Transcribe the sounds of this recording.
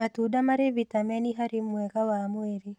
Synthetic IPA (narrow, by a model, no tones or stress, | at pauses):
atudamaɾevitamɛniɦaɾimwɛkawamweɾi